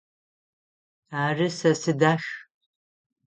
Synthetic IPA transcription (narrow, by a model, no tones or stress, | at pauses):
aːrɨsɐsɨdaːʃ